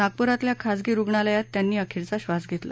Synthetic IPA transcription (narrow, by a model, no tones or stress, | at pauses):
naɡ̚puɾat̪ljakʰad͡zɡiːɾuɡɳaləjat̪ːjanːiːəkʰiɾt͡saɕʋasɡʱet̪la̰